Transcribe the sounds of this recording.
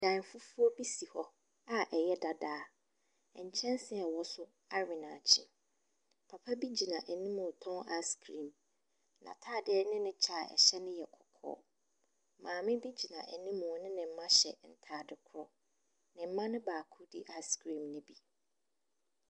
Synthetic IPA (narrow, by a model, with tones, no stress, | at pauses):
dã˨n˨fu˦fu˦ɔ˦bi˦si˨hɔ˦ | a˦ʔɛ˨jɛ˦da˨daː˨˦ | ɛ˨ɲ̩˨t͡ɕʰɛ̃˦nsɪ˨ɛ˨wɔ˦sʊ˦ | a˦ɥɪ˨nãː˨t͡ɕʰĩ˦ | pʰa˨pʰa˦bi˦d͡ʑi˨nã˨ʔɛ˨nĩ˦mʊ̃˨tʰɔ̃˦ŋa˦skʰɾĩ˨m | nã̰˨tʰaː˦˨dɪ˦ɛ˦nɪ̃˦nɪ̃˦t͡ɕʰa˦˨ɛ̰˨ɕɛ˦nʊ̃˦jɛ˨kʰɔ̥˨kʰɔ̰ː˦ | mãː˨mɪ̃˦bi˦d͡ʑi˨nã̰˨ʔɛ˨nĩ˦mʊ̃˨nɪ̃˦nɪ̃˨m̩˦mã˦ɕɛ̰˨n̩˨tʰaː˨˦˨dɪ˨kʰʊ˦ɾɔ̰˦ | nɪ̃˨m̩˦mã˦nɪ̃˦baː˨kʰʊ˦dḭ˨ʔa˦skɾĩ˨mnɪ̃˦bi˨